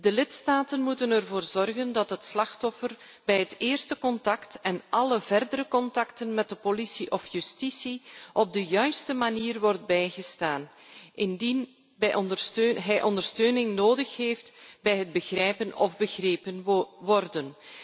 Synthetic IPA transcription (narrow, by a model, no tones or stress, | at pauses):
dəlɪtstaːtənmutənərvoːrzɔrɣəndɑtɦətslɑxtɔfər | bɛjɦəteːrstəkɔntɑktɛnʔɑləvɛrdəɾəkɔntɑktənmɛt̚dəpolisiʔɔfjystisiʔɔb̚dəjœɥstəmaniːrʋɔrd̚bɛjɣəstaːn | ʔɪndin | bɛjʔɔndətøɦɛjʔɔndərstøːnɪŋnoːdəxheːftbɛjɦəd̚bəɣrɛjpənɔ̰vbəɣreːpənʋɔrdən